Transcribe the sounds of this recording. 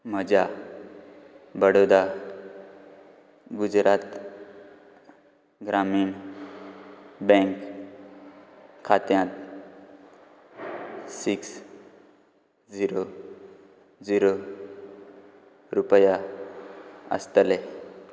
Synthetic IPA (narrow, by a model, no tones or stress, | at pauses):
məd͡ʑʱa | bəɽod̪a | ɡud͡zɾat̪ | ɡɾamiːɳ | bɛ̃ŋk | kʰːat̪jãt̪̚ | siks | d͡ziɾo | d͡ziɾo | ɾupəja | ə̰st̪le